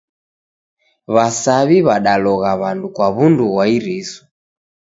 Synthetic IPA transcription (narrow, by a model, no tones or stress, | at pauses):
βasaβiβaɗalɔɣaβandukwaβunduɣwaiɾisɔ̥